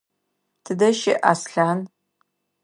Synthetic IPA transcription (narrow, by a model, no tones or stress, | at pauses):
tʰɨdɐʃɪʔasɬan